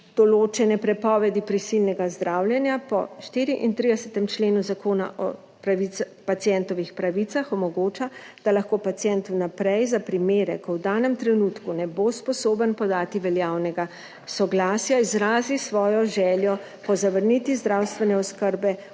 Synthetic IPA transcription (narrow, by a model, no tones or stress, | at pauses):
d̪̥ɔloːt͡ʃɛnɛpɾɛpɔːʋɛd̪ipɾisilnɛɡazd̪ɾaːwljɛnjapɔ̰ʃt̪iːɾiʔint̪ɾid̪ɛsɛt̪ɛmt͡ʃleːnuzakoːna̰ʔɔ̰ | pɾaʋi | pat̪jɛnt̪ɔʋixpɾaʋit̪saxɔmɔɡoːt͡ʃa | d̪̥alaxkoːpat̪sijɛnt̪ɔwnapɾɛjzapɾimeːɾɛkɔwd̪aːnɛmt̪ɾɛnuːt̪kunɛboːspɔsoːbənpɔd̪aːt̪iʋɛljaːwnɛɡa | sɔɡlaːsjaizɾaːzisʋɔːjɔʒɛːljɔ | pɔzaʋəɾnit̪izd̪ɾawst̪ʋɛnɛɔskəɾbɛ